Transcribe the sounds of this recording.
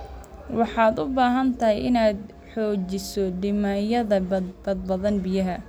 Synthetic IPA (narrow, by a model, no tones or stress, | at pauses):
wɑħɑːd̪ʊbaːɦɐnt̪ʰɐɦɪjɪnaːd̪ | ħɔːt͡ʃɪsɔɖɪmajɐðɐb̥ɐd̪̚bɐðɐnbɪjɐɦɐ